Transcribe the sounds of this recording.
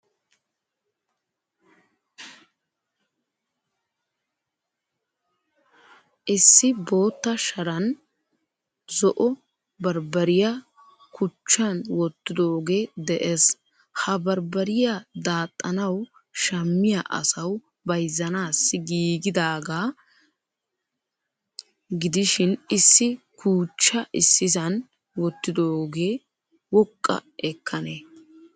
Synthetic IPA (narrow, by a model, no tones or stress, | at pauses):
ʔɪsːɪbo̞ːt̪ːɐʃɐɾɐn | zɔʔɔ | bɐɾbɐɾɪjɐ | kʊt͡ʃːɐnwɔt̪ːɪd̪oːɡe̞ːd̪ɛʔes | hɐbɐɾbɐɾɪjad̪aːt̪ʼːɐnɐw | ʃɐmːɪjaʔɐ̰sɐw | bɐjzːɐnaːsːɪɡiːɡɪd̪aːɡaː | ɡɪd̪ɪʃɪnɪsːɪkuːt͡ʃːɐʔɪsːɪsɐn | wɔt̪ːɪd̪oːɡe̞ː | wɔkʼːɐ̰ʔɛkʰːɐne